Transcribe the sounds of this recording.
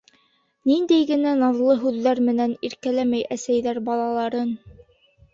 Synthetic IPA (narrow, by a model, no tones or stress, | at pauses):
nind̪æjɡɘ̆nænɑvlˠɤɦʉðːæɾmɘ̆næniɾkælæmæjʔæsæjðæɾbɑlˠɑlˠɑɾɤn